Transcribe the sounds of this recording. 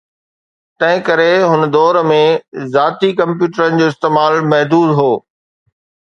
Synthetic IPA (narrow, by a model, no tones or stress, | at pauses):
t̪ɐ̃ɦɪ̃kɐɾeɦʊnə̆d̪ɔːɾmẽzaːt̪ikɐ̃mpjuːʈəɾənɪ̆d͡ʑoːɪst̪eːmaːlmɐɦd̪uːd̪ɦoː